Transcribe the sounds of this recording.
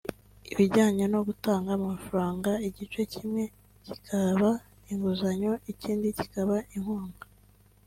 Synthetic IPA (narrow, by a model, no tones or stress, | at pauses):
iβiɾɟaːɲe̞no̞ɡutaːŋɡamafɾaːŋɡaiɟit͡ʃecʰimŋe̞ | ci̥kʰaβa | iŋɡuzaɲo̞iciːndici̥kaβaʔiŋhuːŋɡa